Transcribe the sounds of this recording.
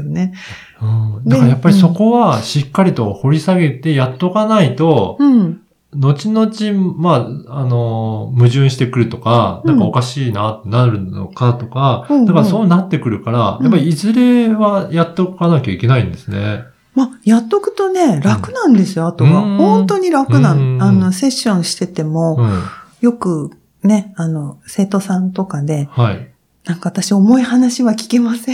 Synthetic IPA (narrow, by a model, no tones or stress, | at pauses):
one | ɯ̃d̪akaajapːaɾʲiso̞ko̞βaɕikːaɾʲit̪o̞ho̞ɾʲisaɡe̞t̪e̞jat̪ːo̞kanait̪o̞ | no̞t͡ɕino̞t͡ɕimaano̞mɯ̟ʑɨ̃ɰ̃ɕi̥t̪e̞kɯ̟ɾɯ̟t̪o̞kanãkao̞kaɕiːnat̪ːe̞naɾɯ̟no̰kat̪o̞kaakaɾso̞ːnat̪ːe̞kɯ̟ɾɯ̟kaɾajapːaɾʲiizɨɾe̞βajat̪ːokanakʲaike̞naĩnd̪e̞sɨne̞ | majat̪ːokɯ̟̥t̪o̞ne̞ɾakɯ̟nãnd̪e̞sɨjoat̪o̞βahõ̞nt̪o̞ɲ̟iɾakɯ̟nãano̞se̞ɕːõ̞ɰ̃ɕi̥t̪e̞t̪e̞mo̞jo̞kɯ̟ | ne̞ano̞se̞ːt̪o̞sãnt̪o̞kad̪e̞hai | nãŋkaβat̪aɕio̞mo̞ihanaɕiβakʲi̥ke̞masẽ